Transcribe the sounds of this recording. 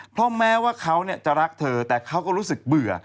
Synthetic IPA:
pʰɾɔ˦˥mɛː˦˥waː˥˩kʰa˦˥wni˥˩ɐt͡ɕa˨˩ɾa˦˥k̚t̪ʰɤː˧t̪ɛː˨˩kʰa˦˥wkɔː˥˩ɾuː˦˥sɯ˨˩k̚bɯ˨˩ɐ

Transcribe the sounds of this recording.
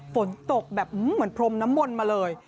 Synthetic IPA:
fo˩˦nt̪o˨˩k̚bɛː˨˩p̚ʔɯ˨˥mɯ˩˦ənpʰɾo˧mna˦˥mːo˧nmaː˧lɤː˧j

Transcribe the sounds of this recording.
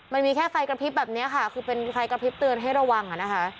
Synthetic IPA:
ma˧nmiː˧kʰɛː˥˩fa˧jkɾa˧pʰi˦˥p̚bɛː˨˩p̚ni˦˥ɐkʰa˥˩kʰɯː˧pe˧nfa˧jkɾa˧pʰi˦˥p̚t̪ɯ˧ənɦa˥˩jɾa˧wa˧ŋʔa˨˩na˦˥kʰa˦˥

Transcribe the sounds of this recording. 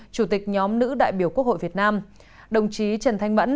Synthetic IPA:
t͡ɕu˧˩t̪i˨˩k̚ɲɔ˨˦mnɨ̰˧˥ɗa̰ː˧˨jɓi˧˩əku˦˥ək̚ho̰˧˨jvi˨˩ət̚naː˧m | ɗə˨˩wŋ͡mt͡ɕi˨˦t͡ɕə˧˩nt̪ʰa˧jŋvə̰˧˥n

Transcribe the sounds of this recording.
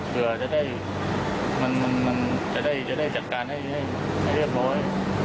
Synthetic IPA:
tʰɯ˧ɐt͡ɕa˨˩da˥˩j | ma˧nma˧nma˧nt͡ɕa˨˩da˥˩jt͡ɕa˨˩da˥˩jt͡ɕa˨˩t̪̚kaː˧nha˥˩jha˥˩j | ha˥˩jɾi˥˩əp̚ɾɔː˦˥j

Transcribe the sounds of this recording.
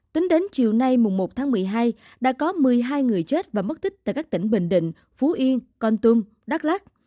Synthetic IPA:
t̪i˨˦ŋɗe˨˦nt͡ɕi˨əwna˧jmʊ˨˩ŋ͡mmo˨˩t̚t̪ʰaː˨˦ŋmɨ˨˩əjɦaː˧j | ɗa̰ː˧˥kɔ˨˦mɨ˨˩əjɦaː˧jŋɨ˨˩əjt͡ɕe˦˥t̚vaː˨˩mə˦˥t̚t̪ʰï˦˥k̚t̪aː˧˨jkaː˦˥k̚t̪ï˧˩ŋ̟ɓḭ˧˨ŋ̟ɗḭ˧˨ŋ̟ | fu˨˦ʔi˧ənkɔ˧nt̪ɨ˧ŋ | ɗaː˦˥k̚laː˦˥k̚

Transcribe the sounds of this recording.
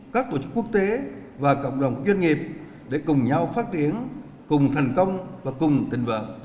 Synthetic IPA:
kaː˦˥k̚t̪o˧˩t͡ɕɨ˦˥kːu˦˥ək̚t̪e˨˦vaː˨˩kə̰˧˨wŋ͡mɗə˨˩wŋ͡mku˧˩əkzwɛ˧ŋi˨˩əp̚ | ɗe˧˩kʊ˨˩ŋ͡mɲa˧wfaː˦˥t̚t̪i˨˦ən | kʊ˨˩ŋ͡mt̪ʰɛ˨˩jŋ̟kə˧wŋ͡mvaː˨˩kʊ˨˩ŋ͡mt̪ï˨˩ŋ̟və̰˧˨n

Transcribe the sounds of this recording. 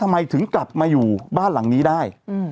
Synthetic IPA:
a˧mːa˧jt̪ʰɯ˩˦ŋkla˨˩p̚maː˧juː˨˩baː˥˩nla̰˩˦ŋniː˦˥daː˥˩j

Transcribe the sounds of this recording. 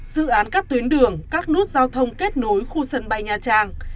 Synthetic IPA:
z̥ɨ̰˧˨ʔaː˨˦nkaː˦˥k̚t̪wi˨˦ənɗɨ˨˩əŋkaː˦˥k̚nɨ˦˥ək̚zaː˧wt̪ʰə˧wŋ͡mke˦˥t̚no˨˦jxu˧sə˨˧˩nɓa˨˩jɲaː˨˩t͡ɕaː˧˩ŋ

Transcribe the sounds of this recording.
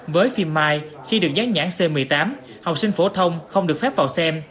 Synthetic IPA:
vəː˨˦jfi˧mːaː˧j | xi˧ɗɨ˨ək̚zaː˨˦˥t̚ɲa̰ː˧˥nse˧mɨ˨˩əjt̪aː˨˦m | hɔ˨˩wk͡p̚sï˧ŋ̟fo˧˩t̪ʰə˧wŋ͡mxə˧wŋ͡mɗɨ˨ək̚fɛ˦˥p̚vaː˨˩wsɛ˧m

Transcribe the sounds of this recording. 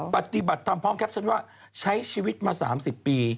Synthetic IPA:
pa˨˩t̪i˨˩ba˨˩t̪ʰːa˧mpʰɔː˦˥˩ŋkʰɛ˦˥˩t͡ɕʰa˦˥nwaː˥˩ | t͡ɕʰa˦˥jt͡ɕʰiː˧wi˦˥t̪̚maː˧saː˩˦msi˨˩pːiː˧

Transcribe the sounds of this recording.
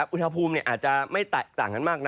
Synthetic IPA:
p̚ʔu˧˥nha˧pʰuː˧mniː˥˩ʔaː˨˩t̪̚t͡ɕa˨˧ma˥˩jt̪a˨˩t̪aː˨˩ŋka˧nmaː˥˩k̚na˦

